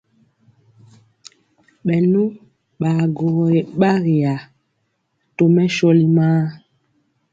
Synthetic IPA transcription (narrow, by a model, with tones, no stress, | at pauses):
ɓɛ˨nu˦ | ɓa˨ɡo˨ɣɔ˨e˨ɓa˦ɣi˨a˨ | to˨mɛ˦ʃɔ˦li˦maː˦